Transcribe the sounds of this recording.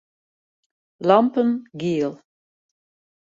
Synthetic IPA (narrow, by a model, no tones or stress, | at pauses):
lɑmpənɡiəlˠ